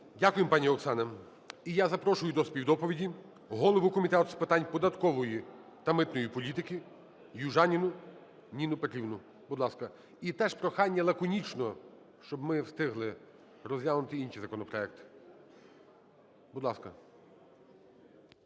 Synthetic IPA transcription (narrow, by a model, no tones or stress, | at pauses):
dʲakʊjempɑnʲiɔksɑnɐ | ijazɐpɾɔʃʊjʊd̪ɔspʲiwd̪ɔpɔʋʲidʲi | ɦɔlˠɔʋʊkɔmʲit̪ɛt̪ʊspɪt̪ɑnʲpɔd̪ɐt̪kɔʋɔji | t̪ɐmɪt̪nɔjipɔlʲit̪ɪkʲi | juʒɑnʲinʊ | nʲinʊpet̪ɾʲiwnʊ | bʊud̪lˠɑskɐ | it̪ɛʃpɾɔxɑnʲːɐlˠɐkɔnʲit͡ʃnɔ | ʃt͡ʃɔbmɪwst̪ɪɦlˠɪ | ɾɔzʲjʲaʋnʊt̪ɪinʃizɐkɔnɔpɾɔɛk̚t̪ɪ̥ | bʊd̪lˠɑskɐ